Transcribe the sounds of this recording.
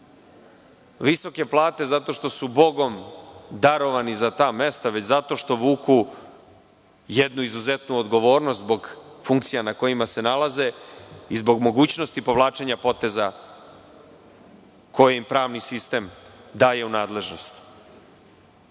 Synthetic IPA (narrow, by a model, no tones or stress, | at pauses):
ʋiso̞ke̞plˠaːt̪e̞zat̪o̞ʃt̪o̞subo̞ɡo̞md̪aɾo̞ʋanizat̪aːme̞st̪aʋe̞t͡ɕzat̪o̞ʃt̪o̞ʋuːku | jed̪nuizuze̞t̪nuod̪ɡo̞ʋo̞ːɾnost̪zbo̞ɡfuŋk̚t̪sijanako̞jimase̞nalaze̞izbo̞ɡmo̞ɡuːt͡ɕno̞st̪ipo̞ʋlˠaːt͡ʃe̞ɲapo̞t̪e̞za | ko̞jeimpɾaːʋnisist̪e̞md̪aːje̞unaːd̪le̞ʒno̞st̪